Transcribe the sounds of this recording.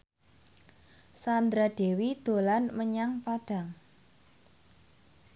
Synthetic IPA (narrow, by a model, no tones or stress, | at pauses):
sand̪ɾaɖ̥e̤wid̪̥o̤lanməɲaŋpaɖ̥a̤ŋ